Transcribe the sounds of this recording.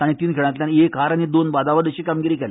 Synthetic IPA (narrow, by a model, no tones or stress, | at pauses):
aɽ̃it̪iːnkʰeɭ̃at̪lʲjanekɦaɾaɽ̃id̪onbad̪aʋad̪əɕiːkamɡiɾiːkele